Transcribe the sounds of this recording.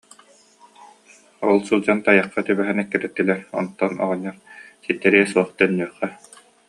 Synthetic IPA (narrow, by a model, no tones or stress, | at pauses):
ɔlˠsulˠd͡ʑant̪ajɑqːat̪ybɛɦɛnɛkːɛɾɛt̪ːilɛɾɔ̰nt̪ːɔnɔ̰ʁɔɲːɔɾsit̪ːɛɾiɛsuɔχt̪aɛnːyɐχːɛ